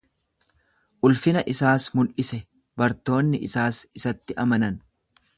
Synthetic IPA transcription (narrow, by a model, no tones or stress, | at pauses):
ʔʊlfɪnɐʔɪsaːsmʊnʔɪsɛ | bɐɾt̪o̞ːnːɪʔɪ̰saːsɪsɐt̪ːɪʔɐmɐnɐn